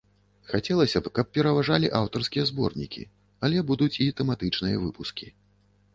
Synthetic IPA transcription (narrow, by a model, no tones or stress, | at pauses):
xat͡sʲɛlˠɐsʲɐpkɐp̚pʲɛɾɐvaʐalʲiʔawt̪ɐrskʲijɐzbɔ̰rnʲḭkʲḭ | alʲɛbud̪ut͡sʲit̪ɛmat̪ɨt͡ʂnɨjɐ̰vɨpuskʲi